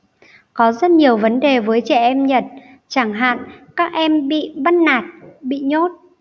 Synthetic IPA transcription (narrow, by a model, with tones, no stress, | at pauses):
kɔ˨˦zə˦˥t̚ɲi˨˩əwvə˨˦nɗe˨˩vəː˨˦jt͡ɕɛ˧˩ʔɛ˧mɲə˨˩t̚ | t͡ɕaː˧˩ŋɦa̰ː˧˨nkaː˦˥k̚ʔɛ˧mɓḭ˧˨ɓə˦˥t̚naː˨˩t̚ɓḭ˧˨ɲo˦˥t̚